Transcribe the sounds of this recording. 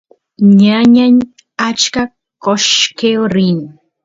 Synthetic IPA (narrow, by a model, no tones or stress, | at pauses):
ɲaɲaɲ | at͡ʃka | koʃkewɾɪŋ